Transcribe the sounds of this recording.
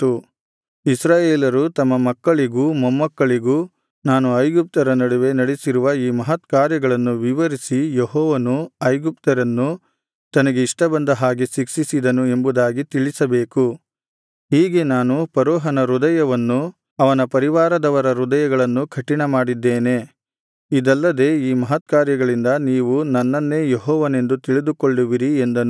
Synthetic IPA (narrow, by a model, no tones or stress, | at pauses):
t̪ːu | isɾaːjeːlɐɾut̪ɐmːɐmɐkːɐɭiɡumɐmːɐkːɐɭiɡu | naːnuɐjɡup̚t̪ɐɾɐnɐɽuʋe̞nɐɽisiɾuʋɐiːmɐɦɐt̪kaːɾjɐɡɐɭɐnːuʋiʋɐɾisijeɦɔːʋɐnuɐjɡup̚t̪ɐɾɐnːu | t̪ɐnɐɡe̞iʂʈɐbɐnd̪ɐɦaːɡisikʂisid̪ɐnue̞mbud̪aːɡit̪iɭisɐbe̞ːku | ɦiːɡe̞naːnupɐɾɔːɦɐnɐɾud̪ɐjɐʋɐnːu | ɐʋɐnɐpɐɾiʋaːɾɐd̪ɐʋɐɾɐɾud̪ɐjɐɡɐɭɐnːukʰɐʈiɳɐmaːɽid̪ːeːne̞ | id̪ɐlːɐd̪e̞ːiːmɐɦɐt̪̚kaːɾjɐɡɐɭind̪ɐniːʋunɐnːɐnːe̞ːjeɦɔːʋɐne̞nd̪ut̪iɭid̪ukoɭːuʋiɾiend̪ɐnu